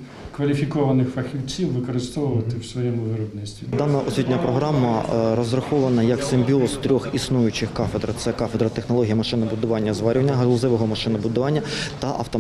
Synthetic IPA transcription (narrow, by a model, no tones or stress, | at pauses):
kʋɐlʲifʲikɔʋɐnɪxfɐxʲiwt͡sʲiwːɪkɔɾɪst̪ɔʋʊʋɐt̪ɪwsʋɔjɛmʊʋɪɾɔbnɪsʲt̪ʋʲid̪ɑnɐʔɔsʲʋit̪ʲnʲɐpɾɔɦɾɑmːɐɾɔzrɐxɔʋɐnɐjɐksemʲbʲiɔst̪ɾʲɔxisnujʊt͡ʃɪxkɑfed̪ɾɐt̪sɛkɑfed̪ɾɐt̪exnɔlˠɔɦʲijɐmɐʃɪnɐbʊd̪ʊʋɑnʲːɐzʋɑɾʲʋɐnʲːɐɦlˠʊzɪʋɔɦɔmɐʃɪnɐbʊd̪ʊʋɑnʲːɐt̪ɐʔɐ̰wt̪ɔ